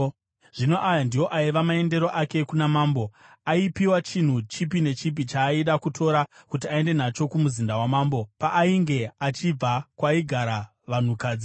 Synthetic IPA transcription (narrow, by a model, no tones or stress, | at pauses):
ʐ̥ino̞ʔajandijo̞ʔaiʋamae̞nde̞ɾo̞ʔake̞kunamaːmbo̞ | aipiwat͡ʃin̤ut͡ʃipine̞t͡ʃip̬it͡ʃaːiɗakutʰo̞ɾakutiae̞nde̞nat͡ʃo̞kumuzindawamaːmbo̞paʔːiŋɡe̞at͡ʃib͡vakwaiɡʱaɾa | ʋan̤ukaːd͡zi